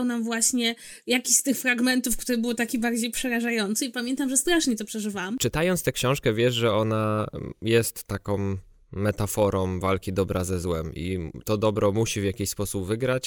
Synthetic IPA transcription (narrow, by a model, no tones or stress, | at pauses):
wnamvwaɕɲɛ | jakʲiɕst̪ɘxfɾaɡmɛnt̪ufkt̪uɾɛbɘwt̪akʲibaɾd͡ʑejpʂɛɾaʐajɔnt̪sɨipamʲjɛnt̪amʐɛst̪ɾaʂɲɛt̪ɔpʂɛʐɘvawamt͡ʂɘt̪ajɔnst̪ɛkɕɔ̃w̃ʂkɛvʲjɛʂʐɛɔnajɛst̪ːakɔ̃mː | ɛt̪afɔɾɔ̃mvalkʲid̪ɔbɾʔazɛzwɛmḭt̪ɔd̪ɔbɾɔmuɕivʲjakʲiɕspɔsubvɘɡɾat͡ɕ